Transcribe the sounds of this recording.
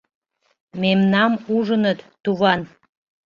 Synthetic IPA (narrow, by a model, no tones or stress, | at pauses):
memnɑmuʒənət̪ːuβɑn